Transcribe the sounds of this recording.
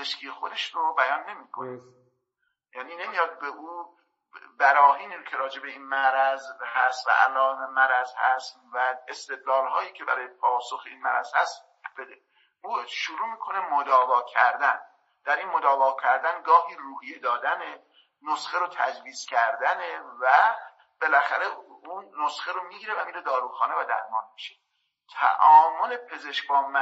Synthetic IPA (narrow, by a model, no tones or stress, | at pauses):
ezeʃkʰijexo̞d̪eʃɾobæjɒnːe̞miːkʰone | jæːniːne̞mijɒːd̪̚be̞ʔuː | bæɾɒːhiːniɾokʲʰeɾɒːd͡ʒe̞be̞iːnmæɾæzhæst̪væ̰ʔæ̰lːɒːnemæɾæzhæst̪væest̪e̞d̪lɒːlɦɒːjiːcʰe̞bæɾɒːjepʰɒːsoxeiːnmæɾæ̰z̥hæst̪ | b̥ed̪e | uʃoɾuːmiːkʰo̞ne̞mod̪ɒːvɒːkʰæɾd̪æn | d̪̥æɾiːnmod̪ɒːvɒːkʰæɾd̪ænɡɒːhiːɾuːhijed̪ɒːd̪æne | nosχeɾot̪ʰæd͡ʒviːz̥cʰæɾd̪ænevæ | b̥e̞læxæɾe̞unːosxeɾomiɟʲiːɾevæmiːɾe̞d̪ɒːɾuːxɒːne̞væd̪æ̰ɾmɒːnmiʃe | t̪ʰæ̰ʔɒːmole̞pʰe̞ze̞ʃkbɒːmæ